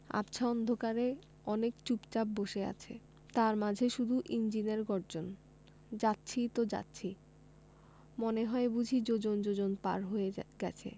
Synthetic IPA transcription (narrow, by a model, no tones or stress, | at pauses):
a̰pt͡ɕʰaɔnd̪ʱokaɾe | ɔnekt͡ɕupt͡ɕap̚boʃea̰t͡ɕʰḛ | t̪aɾmad͡ʑʱeʃud̪ʱuʔind͡ʑineɾɡɔɾd͡ʑon | d͡ʑatːɕʰit̪od͡ʑa̰tːɕʰi | moneɦɔebud͡ʑʱid͡ʑod͡ʑond͡ʑod͡ʑonpa̰ɾɦoeɡɛ̰t͡ɕʰḛ